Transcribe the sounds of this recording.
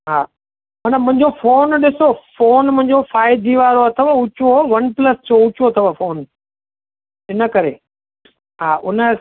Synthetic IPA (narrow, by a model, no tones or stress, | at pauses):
ɦaː | mɐnəmʊ̃ɦɪ̃ɲ̆d͡ʑofoːnɗɪsofoːnmʊ̃ɦɪ̃ɲ̆d͡ʑofaːɪd̪ʱiʋaːɾoɐt̪ʰəʋʊt͡ɕoʋɐnplɐst͡ɕʰoʊt͡ɕot̪ʰɐʋafoːn | ɪnə̆kɐɾe | ɦaːʔʊnə